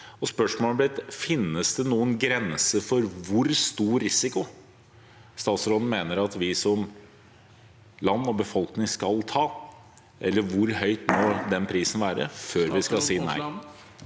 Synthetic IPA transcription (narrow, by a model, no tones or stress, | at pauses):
ɔspœʂmoːlblɪt̪fɪnːəsd̪ɛnuːənɡɾɛnsəfɔɾʋʊɾst̪uːɾɪsɪkʊ | st̪ɑːt̪sɾɔd̪n̩meːnəɾɑt̪ʋɪsɔm | lɑnːɔbəfɔlknɪŋskɑlt̪ʰɑː | ʔɛ̰lːəɾʋʊɾhœʏt̪moːd̪ɛnpʰɾiːsn̩ʋæːɾə̰føːɾʋɪskɑsiːnæ̰ɪ